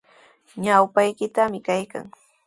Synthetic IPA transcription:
ɲawpajkɪt̪amɪkajka̰ŋ

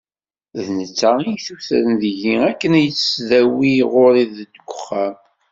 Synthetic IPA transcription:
ðnət͡sːaijθuθɾənðʝiækːənæjət͡sːsðæwiʁoɾiðəd̪əɡʷʊχːæm

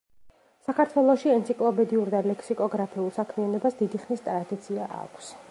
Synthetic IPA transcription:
sakʰaɾt̪ʰwɛlˠɔʃiɛnt̪sʰikʼlˠɔpɛd̪iuɾd̪alɛkʰsikʼɔɡɾapʰiulˠsakʰmianɔbasd̪id̪iχnist̪ʼɾad̪it̪sʰiaʔa̰kʷʰs

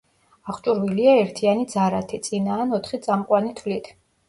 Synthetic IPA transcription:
aχt͡ʃʼuɾviliaɛɾt̪ʰianid̪zaɾat̪ʰit̪sʼinaːnɔt̪ʰχit̪sʼamqʼwanit̪ʰvlit̪ʰ

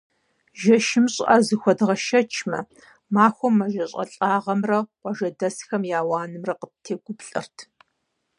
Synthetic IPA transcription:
ʒɐʃɪmɕʼʔɐzɨxʷɔdʁɐʃɐt͡ʃʰmɐ | maːxʷɔmːɐʒɐɕʼɐ̰ɬʼaːʁɐmrɐqʷɔʒɐdɐsxɐmjaːwaːnɨmrɐqətʰeːɡʷʊpɬʼɐ̰rtʰ

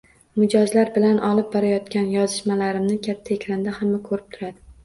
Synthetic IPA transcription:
mɪd͡ʒɒzlaɾbɪlanʔɒlɪp̚bɒɾajɒt̪kʲanjɒzɪʃmalaɾɪmnɪkʲʰat̪ʰːaekʲʰɾand̪ahamːakʰɵɾɪp̚t̪ʰʊɾad̪ɪ

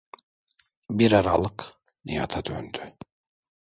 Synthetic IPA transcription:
biɾaɾalˠɯk | nḭja̰t̪ʰad̪ø̰nd̪y

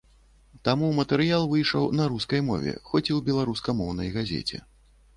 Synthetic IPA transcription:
t̪amumɐt̪ɛɾɨjalˠvɨjʂɐwnɐɾuskɐjmɔ̰vʲɛ̰xɔt͡sʲiwbʲɛlˠaɾuskɐmɔwn̪ɐjɣazʲḛt͡sʲɛ̰

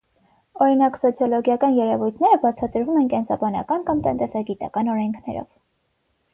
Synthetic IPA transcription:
ɔɾinɑksɔt͡sʰjɔlɔɡjɑkɑnjɛɾɛvujt̪ʰnɛɾəbɑt͡sʰɑt̪əɾvumɛnkɛnsɑbɑnɑ̰kɑnkɑmt̪ənt̪ɛsɑɡit̪ɑ̰kɑnɔɾɛŋkʰnɛ̰ɾɔ̰v

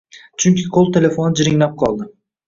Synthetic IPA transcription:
t͡ʃʰʊŋkʲʰɪqʰolˠt̪ʰe̞le̞fonɪd͡ʒɪɾɪŋlap̚qʰɒlˠd̪ɪ

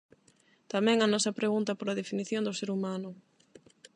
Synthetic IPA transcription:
t̪amɛ̃ŋɐnɔsɐpɾeɣunt̪ɐpoɾɐð̞efiniθjond̪ʊseɾumãnʊ

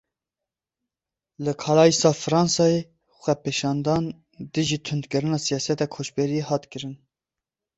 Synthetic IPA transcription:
lɨkʰɑlɑːjisɑːfɨɾɑːnsɑːje | xʷɛpʰeːʃɑːnd̪ɑːn | d̪ɨʒiːt̪ʰʊnd̪kɨɾɨnɑːsijɑːsɛt̪ɑkʰoːt͡ʃbeɾijehɑːt̪kɨɾɨn

